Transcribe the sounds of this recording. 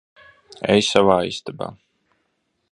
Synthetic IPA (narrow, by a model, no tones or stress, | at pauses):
ɛjsavaːḭst̪aba̰ː